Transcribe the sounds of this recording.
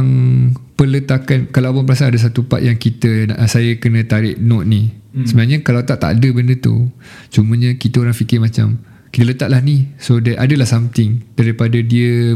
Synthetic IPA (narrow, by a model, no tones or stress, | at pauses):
ŋpələt̪akankalawpʊnpəɾas̬aadəs̬at̪upa̰ʔ̪̚jaŋkit̪əsajəkənə̃t̪aɾɪʔnɔʔ̪̚nisəbənaʔɲãkalawt̪aʔt̪a̰ʔdəbəndət̪ṵ | t͡ʃumə̃ɲãkit̪əoɾaŋfikɪɾmãt͡ʃa̰m | kit̪ələt̪aʔ̪̚lahnisodaʔadəlahsamt̪ɪŋd̥aɾipadadiə